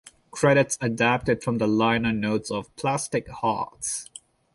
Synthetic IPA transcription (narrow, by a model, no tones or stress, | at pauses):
kʰɹ̥ɛɾɪtsədæp̚tɨd̥fɹʌ̃mðəlãɪnənoʊtsɔv̥pʰl̥æstɪkhɑ̰ɹts